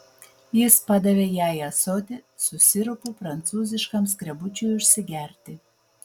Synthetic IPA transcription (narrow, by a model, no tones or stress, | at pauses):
jɪspɑd̪ɐʋʲeːjæːjɐsoːt̪ʲɪ | sʊsʲɪɾʊpupɾɐnt̪suːzʲɪʃkɐmskɾʲɛbʊt͡ʃʲuʊʃʲsʲɪɡʲæˑɾʲt̪ʲɪ